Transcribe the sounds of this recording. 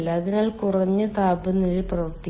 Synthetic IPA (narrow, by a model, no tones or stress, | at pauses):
lːɐːðinaːlkurɐɲːɨt̪aːbɐnːiɻprɐʋɐrt̪i